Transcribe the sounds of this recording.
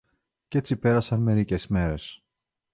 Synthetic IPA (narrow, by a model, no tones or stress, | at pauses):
ce̞t͡sipe̞ɾɐsɐnme̞ɾice̞sme̞ɾe̞s